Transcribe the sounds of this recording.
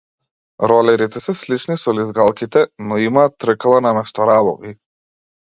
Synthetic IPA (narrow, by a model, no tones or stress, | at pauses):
ɾɔlɛɾit̪ɛsɛslit͡ʃnisɔlizɡalˠkit̪ɛnɔimat̪ɾəklˠanamɛst̪ɔɾabɔ̰vi